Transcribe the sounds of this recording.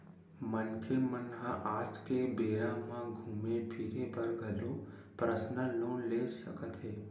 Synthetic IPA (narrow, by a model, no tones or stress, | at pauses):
mənkʰemənɦãʔad͡ʒkebeɾãmãɡʱumebʱiɾebəɾɡʱəlũ | pɾəsnəlonled͡ʒʃəkət̪ɦe